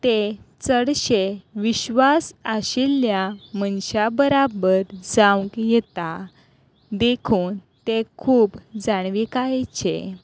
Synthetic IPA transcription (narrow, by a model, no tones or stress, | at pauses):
t̪et͡səɽɕeʋiɕʋasəɕilːjamənɕabəɾabəɾd͡zawkjɛt̪a | d̪ekʰuːn | t̪ekʰuːbd͡zaɳ̃ʋikajt͡ɕʰḛ